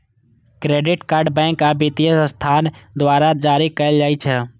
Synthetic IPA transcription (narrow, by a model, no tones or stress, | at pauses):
kɾeːɖɪʈkaːɾɖbɛ̃ːŋkabɪt̪ijəsst̪ʰaːnd̪ʋaːɾad͡ʒaːɾikəəld͡ʒaːit͡ʃʰɛ